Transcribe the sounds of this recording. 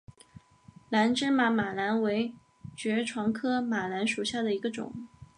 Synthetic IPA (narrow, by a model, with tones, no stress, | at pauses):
la˧˥nʈ͡ʂɻ̩˥ma˧˥ma˨˩la˧˥nwe˧˥ɪ | t͡ɕɥɛ˧˥ʈ͡ʂʰwɑ˧˥ŋkʰɤ˥ma˨˩la˧˥nʂu˨˩ɕja˥˩d̪ə˩i˧˥ɡə˧ʈ͡ʂʊ̰˨˩˦ŋ